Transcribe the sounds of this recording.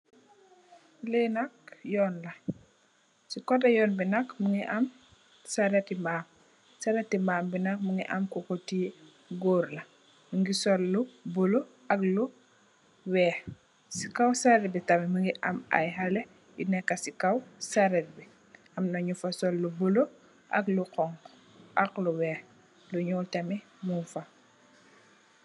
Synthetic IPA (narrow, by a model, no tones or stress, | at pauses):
lenak̚jɔːnlɐ | sikɔtajɔːnbinakmuŋiʔam | saɾetːimbaːm | saɾetːimbaːmbinak̚muŋɡiʔa̰mkokoti | ɡoːɾlɐ | muŋɡisolːubolo | ʔɐklu | wɛːx | si̥kɐwsɐɾɛtbitɐmimuŋɡiʔɐmɐ̰jɦɐlɛ | jṵnɛkːɐsikɐwsɐɾɛt̚bi | ʔɐmnɐɲufɐsɔlːubulo | ʔɐ̰kluqɔŋ | ʔɐkluwɛːx | luɲɔːltɐmi | munfɐ